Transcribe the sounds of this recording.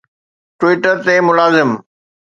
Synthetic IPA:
ʈwiːʈəɾt̪emʊlaːzɪm

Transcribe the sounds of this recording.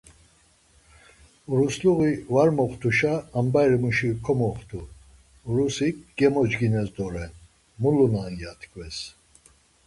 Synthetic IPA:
uɾusluɣivaɾmɔχt̪ʰuʃaːmbajɾmuʃikʰɔmɔχt̪ʰu | ɾusikɡ̥ɛmɔd͡ʒɡinɛsd̪ɔɾɛn | mulunanjat̪ʰʼkʰʼvɛs

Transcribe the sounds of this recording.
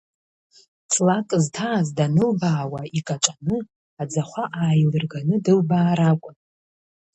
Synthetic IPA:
t͡sʰʼlakʼztʰaːzdanɨlbaːwaikʼat͡ʃʼanɨ | ad͡zaχʷaʔaːjlɨrɡanɨdɨlbaːɾakʷʼʊn

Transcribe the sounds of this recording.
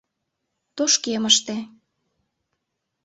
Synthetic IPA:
t̪oʃkeməʃt̪e

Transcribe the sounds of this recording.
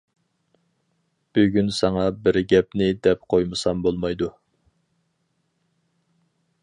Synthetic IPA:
b̥yɡʲynsɑŋɑbɪɾɡʲɛpnɪd̪ɛp̚qʰojmɨsɑmbolˠmɑjd̪u

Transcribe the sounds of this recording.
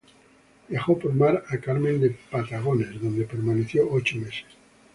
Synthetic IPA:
d̪jaxopoɾmaɾakaɾmend̪epat̪aɣ̞onezðond̪epeɾmaneθjoʔot͡ʃomese̥s

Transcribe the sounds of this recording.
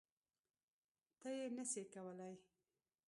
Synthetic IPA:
t̪əjenəsekawəlaj

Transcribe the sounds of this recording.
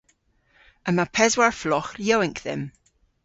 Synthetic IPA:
əmapʰɛzwaɹflɔxjawɪŋkðɛ̰m

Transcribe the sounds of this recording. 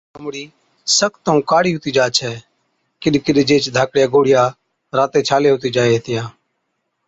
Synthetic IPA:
əmɽiː | səkʰt̪ːũːkaːɽiːɦʊt̪iːd͡ʒaːt͡ʃʰɛː | kɪɗkɪɗd͡ʒeːt͡ʃd̪ʱaːkɽjaːɡoːɽɪjaː | ɾaːt̪eːt͡ʃʰaːleːɦʊt̪iːd͡ʒaːeːɦt̪ɪjãː

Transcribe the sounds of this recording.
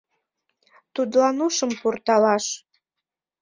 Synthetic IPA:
t̪ud̪lɑnuʃəmpurt̪ɑlɑʃ

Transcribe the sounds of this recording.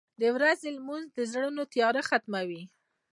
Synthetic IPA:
d̪əwɾazelmunzd̪əzɽənot̪ijɑɾaxat̪mawi

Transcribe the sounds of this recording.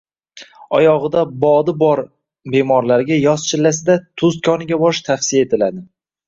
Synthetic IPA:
ɒjɒʁɨd̪abɒd̪ɪbɒɾ | be̞mɒɾlaɾɡʲajɒst͡ʃʰɪlːasɪd̪at̪ʰʊzt̪̚kʲʰɒnɪɡʲabɒɾɪʃt̪ʰafsɪjae̞t̪ʰɪlad̪ɪ

